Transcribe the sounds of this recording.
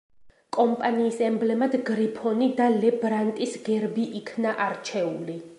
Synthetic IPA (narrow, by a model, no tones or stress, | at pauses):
kʼɔmpʼaniːsɛmblɛmad̪ɡɾipʰɔnid̪alɛbɾant̪ʼisɡɛɾbiʔikʰnaʔaɾt͡ʃʰɛuli